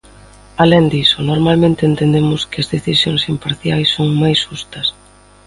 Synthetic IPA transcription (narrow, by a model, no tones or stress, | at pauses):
alend̪isʊnoɾmalmẽnt̪ɪeːnt̪end̪emʊskɐzðeθisjoŋsimpaɾθjajsːoŋmajsʃust̪ɐs